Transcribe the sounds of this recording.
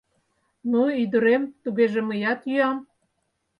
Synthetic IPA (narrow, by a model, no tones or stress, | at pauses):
nuyd̪ə̆ɾemt̪uɣeʒĕməjɑt̪jyɑm